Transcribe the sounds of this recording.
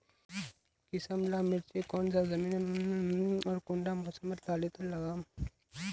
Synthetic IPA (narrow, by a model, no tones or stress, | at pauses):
kɪsəmlaːmɪɽt͡ʃekɔːnzaːzɐmiːn | ɔːɾkʊ̃ɳɖamʊsəmːɐɾt̪aːlet̪ɐnlɐɡaːm